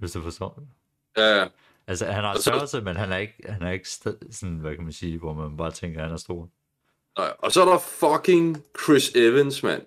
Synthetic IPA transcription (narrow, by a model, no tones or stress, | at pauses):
ʋesd̥ufɒsd̥ɔd̥ | jææ | ʔælsəhænhɑ̈sɶɐsəmenɦænæɐe̝ɡ̥̚hænɑæɐe̝ɡ̥sd̥sɔ̽nʋækʰæmænsiːʋɒmænb̥ɑ̈ːt͡sʰeŋɡ̥ɐhænæɐsd̥o̝ɐ̰ | naɪɒsɔɾɐfɒkʰɪŋkʰɹɪseʋənsmæ̰n